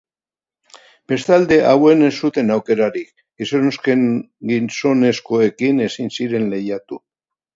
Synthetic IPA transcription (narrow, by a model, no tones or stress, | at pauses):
b̥e̞st̪ald̪e̞ʔawe̞ne̞sːut̪e̞nawke̞ɾaɾik | ɡ̥isonoske̞ŋ | ɡinso̞ne̞sko̞e̞kine̞sinsiɾe̞nle̞jat̪u